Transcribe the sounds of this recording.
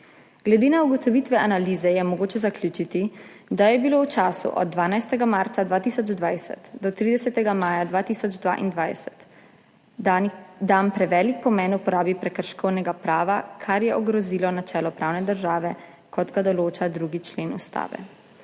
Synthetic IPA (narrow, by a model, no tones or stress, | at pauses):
ɡ̥lɛd̪eːnauɡɔt̪ɔʋit̪ʋɛʔanaliːzɛjɛmɔɡoːt͡ʃɛzaklʲjuːt͡ʃit̪i | d̪ajɛbilowt͡ʃaːsṵʔɔ̰d̪̚ːʋaːnajst̪ɛɡamaɾt̪sad̪ʋaːt̪isɔd͡ʒd̪ʋajsɛ̰t̪d̪ɔt̪ɾiːd̪ɛsɛt̪ɛɡamaːjad̪ʋaːt̪iːsɔd͡ʒd̪ʋa̰ːʔḭnd̪ʋajsɛ̥t̪ | d̪ampɾɛʋɛːlik̚pɔmɛnupɔɾaːbipɾɛkəɾʃkɔwnɛɡapɾaːʋakʰaɾjɛʔɔɡɾɔziːlɔnat͡ʃɛːlɔpɾʔaːwnɛd̪əɾʒaːʋɛ | kɔt̪ɡad̪ɔloːt͡ʃad̪ɾuɡit͡ʃleːnust̪a̰ːʋɛ̰